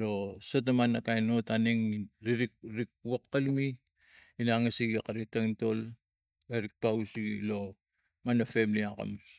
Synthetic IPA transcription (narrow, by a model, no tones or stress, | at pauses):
lo̞so̞tamanːakajno̞taniŋɾiɾikɾik̚uwakːalumi | inaŋasiɡiakaɾik̚taŋto̞l | eɾik̚pausilo̞ | manːafemliaka̰mus